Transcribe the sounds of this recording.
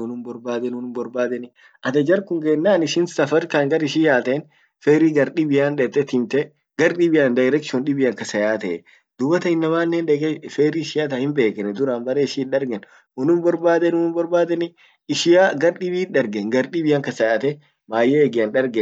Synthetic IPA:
ɔnʊmbɔɾbaːd̪ɛnʊnʊmbɔɾbaːd̪ɛnɪ | ʔɐd̪ɐd͡ʒɐɾkʊŋɡɛnːaːnɪʃɪnsɐfɐɾkɐŋɡɐɾɪʃɪjaːt̪ɛn | feːɾiɡɐɾɗɪbɪjaːnᶑɛt̪ːɛt̪ɪmt̪ɛ | ɡɐɾɗɪbɪjaːnd̪ɐɛɾɐkɪʃʊnɗɪbɪjɐŋkɐsɐjaːt̪ɐɛ | d̪̥ʊbɐt̪ɐɪnːɐmaːnːɛnᶑɛɡɛfeːɾiʃɪjaːt̪ɐhɪmbe̞ːkɛnɛd̪ʊɾambɐɾeɪʃɪɗɐɾɡɛn | ɔnʊbɔɾbaːd̪ɛnʊnʊmbɔɾbaːd̪ɛnɪ | ɪʃɪjaːɡɐɾɗɪbiːᶑɐɾɡɛŋɡɐɾɗɪbɪaŋkɐsɐjaːt̪ɛ | maːjɛːɡɪɐnᶑɐɾɡɛ

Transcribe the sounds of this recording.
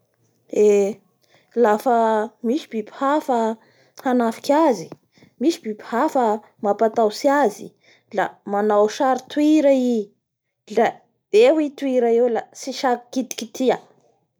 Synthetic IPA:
e | lafəmisi̥biphafə | hanafi̥kazi̥ | misibipi̥hafə | mapat̪awsiazi | la̰manawʃaɾit̪wiɾai | lḁ | ewit̪uiɾaewlasiʃakkit̪i̥kit̪ʰia

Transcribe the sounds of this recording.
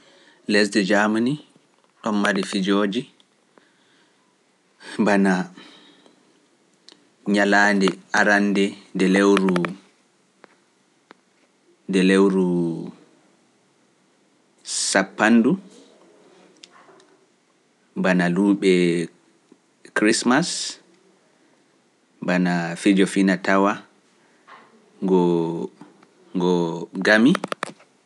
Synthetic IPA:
lɛsdɛd͡ʒamani | ɗɔnmaɾifid͡ʒoːd͡ʒi | bana | ɲalaːndɛaɾandɛndɛlewɾu | ndɛlewɾu | sapːandu | mbanaluːɓɛ | kɾismas | mbanafid͡ʒɔfinatawa | ŋɡɔ | ŋɡɔɡami

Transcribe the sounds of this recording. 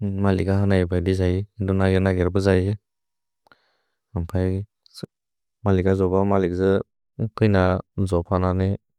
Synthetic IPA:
malikaɦanajbʰajdizaiidɔnaɡenaɡeɾbɯzaje | ampʰaj | malikɡazɔbamalik̚zɯ | kʰɯjnazɔpʰanane

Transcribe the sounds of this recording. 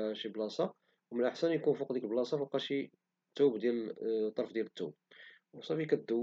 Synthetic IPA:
ʃiblɑsɑ | wmənʔəħsænjkunfuqd̪ikəlblɑsˤɑfuqːɑʃi | t̪ːubd̪jæt̪ˤːɑɾˤfd̪jælət̪ːub̚wsˤɑfikæd̪ːu

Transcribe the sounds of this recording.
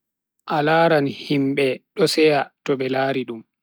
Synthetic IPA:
ʔalaːɾanhimɓɛɗɔsɛjatɔɓɛlaːɾiɗum

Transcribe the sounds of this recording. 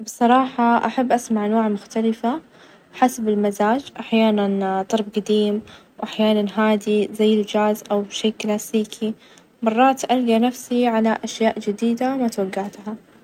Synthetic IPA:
bɨsˤɑɾˤɑːħɑʔaħabːʔasmaʕʔanwaːʕmʊxt̪alɪfa | ħasabɪlmazaːd͡ʒʔaħjaːnant̪ˤɑɾˤbɡad̪iːmwʔaħjaːnanɦaːd̪izajːɪld͡ʒaːzʔawbʃeːʔklaːsiːkʰi | mɑrˤːɑːt̪ʔalːianafsiʕalaʔaʃjaːʔd͡ʒɪd̪iːd̪amat̪waɡːaht̪ɦa

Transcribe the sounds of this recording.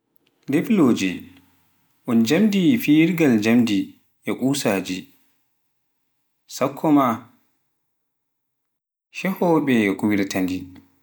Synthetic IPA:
defloːd͡ʒi | ʔɔnd͡ʒamdifiɾɡald͡ʒamdi | ʔɛkʼuːsaːd͡ʒi | sakʰːɔma | ʃɛhɔɓɛɛkuwiɾtandi

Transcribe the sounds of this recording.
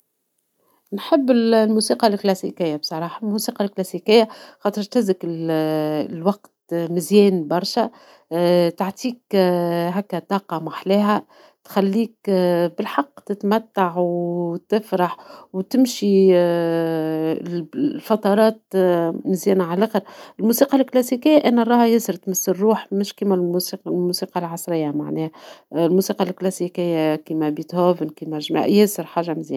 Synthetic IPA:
nħɪbːɪllmusiːqɑlklæsikɪjːabsˤɑɾˤɑːħɑlmusiːqɑlklæsikɪjːaxɑːt̪ˤɨɾt̪ɪzɪkɪl | lwɑqt̪mɪzjɛːnbɑɾˤʃa | t̪aʕt̪ʰiːkɦækːæt̪ːɑːqɑmaħlɛːɦæ | t̪xælːiːk̚bɪlħɑqːt̪ɪt̪mæt̪ːaʕwt̪ɪfɾɑħwt̪ɪmʃi | fɑt̪ˤɑɾˤɑːt̪mɪzjæːnaʕalæːxəɾɪlmuːsiːqɑlklæsikɪjːaʔnːærˤːɑːhjɪsɪɾt̪məsːɪrːuːħmɪʃkiːmælsiqlmuːsiːqɑlʕɑsˤɾɪjːama̰ʕnɛːhæɪlmuːsiːqɑlklæsikɪjːakiːmæbit̪hoːvənkiːmæʒm̰jesɪɾħaːʒːamɪzjæːn

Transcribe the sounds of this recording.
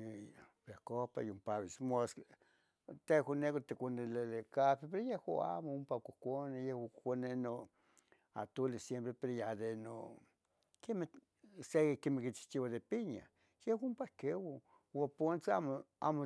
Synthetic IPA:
peakopa̰jumpaβismosk | t̪ekonekot̪ekʷanelelekapipeɾojehwaa̰moumpakʷokʷonejehwakkʷaneno | a̰t̪ulesjempɾepeɾojad̪eno̰ | keme | sekemehkit͡ʃi̥t͡ʃiwaðepiɲa̰ | jehwʷaumpahkewa | wapont͡samoa̰mo

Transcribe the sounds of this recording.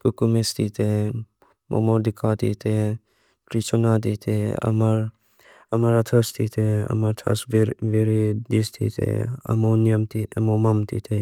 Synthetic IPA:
pukumest̪it̪e | mʔo̰moɾd̪ikʰat̪ḭt̪e | pɾit͡ʃonat̪it̪ʰeɐ̰maɾ | ɐmaɾat̪ʰɐst̪ʰit̪ʰeɐ̰mɐɾt̪ʰɐ̰sʋeɾid̪ist̪ʰḭt̪ʰḛɐ̰monjɐmt̪it̪emomɐmt̪ḭt̪ʰe

